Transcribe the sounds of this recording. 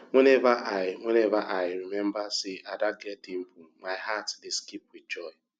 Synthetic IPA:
ŋʷenevaʔaɪŋʷenevaʔajɪɾimem̩basɪadaɡɛtim̩bumaɪɦatdeskip̚wɪdd͡ʒɔɪ

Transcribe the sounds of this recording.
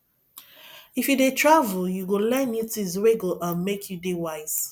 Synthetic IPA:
ifjudetɹavəljuɡolɛ̃njutuizɹeɡolʔə̃nmekʰjudewaɪz̥

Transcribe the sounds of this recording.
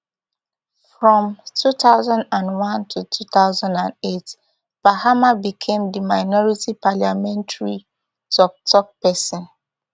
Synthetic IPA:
fɹɔ̃mtʰutaʊzãndãndwãntʰutʰutaʊzãndãndet | b̥ahamabikʰẽmdimaɪnɔɹitipaljamɛ̃ntaɹi | tʰɔk̚tʰɔk̚pɛsɔ̃n

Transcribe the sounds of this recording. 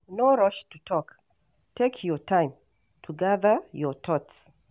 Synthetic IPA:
noɹɔʃtutʰɔk | tʰekʰjɔtʰãɪ̃m | tʰuɡaðəjɔt̪ʰɔts

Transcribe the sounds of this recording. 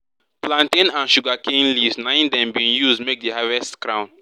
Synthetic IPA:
plãntẽnãnʃuɡakẽnlivsnãĩndɛ̃mbĩnjuzdmek̚dəhavɛstkɹãʊ̃n

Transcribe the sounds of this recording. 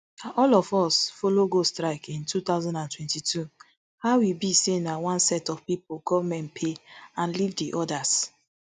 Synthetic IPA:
ɔlɔfɔsfoloɡostɾaɪkʰĩntʰut̪aʊzãndãntwɛ̃ntitʰu | hawibisenawɔ̃nsɛtɔfpipoɡɔvamɛ̃npʰeãnlivdiʔɔdas

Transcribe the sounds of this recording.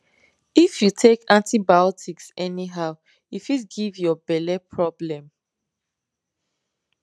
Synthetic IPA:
ifjutʰekãntibaɔtʰiksɛniɦaʊ | ifitɡivjɔbɛlɛpʰɹɔblɛ̃m

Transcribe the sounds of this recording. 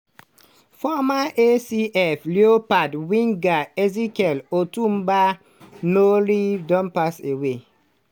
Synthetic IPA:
fɔmaesiʔɛfleopadwĩŋɡaezikɛlotũmba | nolidɔ̃npasewe

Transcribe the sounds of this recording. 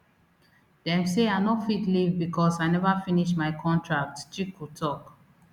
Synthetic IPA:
dɛ̃mseaɪnɔtfitlivbikʰɔsaɪnɛvafĩniʃmaɪkʰɔ̃ntʰɹak̚tt͡ʃikʰutʰɔk

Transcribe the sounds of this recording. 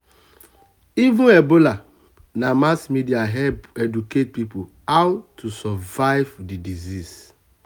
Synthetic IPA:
ivũɛbola | namasmidiaɦɛpɛduket̚pipo | awtʰusɔvaɪvdidizis

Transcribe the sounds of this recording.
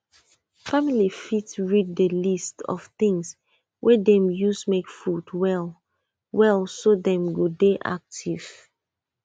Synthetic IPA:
familifitɹid̚dəlistɔ̰fθĩŋs | wʔɛdɛ̃mjusmekfudwɛl | wɛlˠsodɛ̃mɡodeʔa̰k̚tʰiv̥

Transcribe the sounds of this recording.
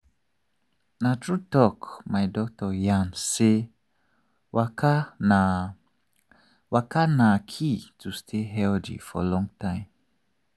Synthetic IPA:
natɹutɔkmajdɔk̚tɔjãnse | wakaa | wakanakʰitʰustʰeɦɛldḭfɔ̰lɔ̃ŋtʰãɪ̃m

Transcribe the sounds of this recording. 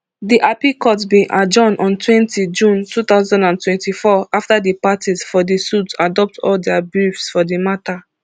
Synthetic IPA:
diʔapikɔtbĩʔad͡ʒɔ̃nɔ̃ntʰwɛ̃ntid͡ʒũntuθaʊzãndãntwɛ̃ntifɔaftadəpatizfɔdisutadɔp̚tʰɔ̰ldɛabɹifsfɔdimata

